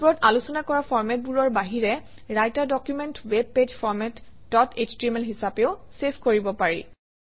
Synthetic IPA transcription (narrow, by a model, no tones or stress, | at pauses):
puɹɔtalusɔnakɔɹafʰɔɹmɛt̚buɹɔɹbaɦiɹɛ | ɹajtadɔkjumɛntweb̚ped͡ʑpʰɔɹmɛtdɔted͡ʒtɹimɛlɦisapeʊsepʰkoɹibɔpaɹḭ